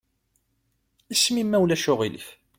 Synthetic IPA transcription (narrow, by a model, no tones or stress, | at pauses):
ismimːæwlæʃʊʁilḭf